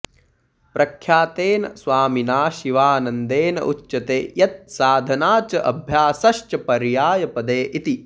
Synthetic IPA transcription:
pɾʔɐkʰjaːt̪eːnɐ̰sʋaːminaːʃiʋaːnɐnd̪eːnɐ̰ʔutːɐt̪eːjɐt̪̚saːd̪ʱɐnaːt͡ʃɐʔɐbʱjaːsɐʃt͡ʃɐpɐɾjaːjɐpɐd̪eːʔit̪i

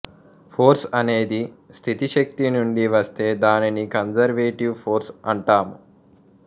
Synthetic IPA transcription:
pʰoːɾsɐne̞ːd̪ist̪ʰit̪iʃɐk̚t̪inuɳɖiʋɐst̪e̞ːd̪aːninikɐnd͡ʒɐɾʋeːʈiʋpʰoːɾsɐɳʈaːmu

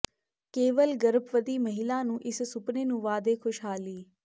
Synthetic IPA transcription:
keːʋəlɡɐɾəpʋəd̪iːmɐɦɪlãːnũːʔɪssʊpnenũːʋaːd̪exʊʃɦaːliː

